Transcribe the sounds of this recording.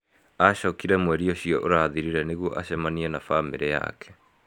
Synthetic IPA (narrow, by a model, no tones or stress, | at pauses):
aɕɔkiɾɛmwɛɾiɔɕiɔʔoɾaðiɾiɾɛneɣwɔʔaɕɛmaniɛnafameɾɛja̰kʰɛ̥